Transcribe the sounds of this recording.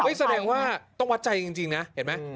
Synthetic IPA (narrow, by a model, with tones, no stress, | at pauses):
ɤ˦˥˩sa˧dɛː˧ŋwaː˥˩t̪ɔ˥˩ŋwa˦˥t̪̚t͡ɕa˧jt͡ɕi˧ŋt͡ɕi˧ŋna˦˥hhe˩˦nma˦˥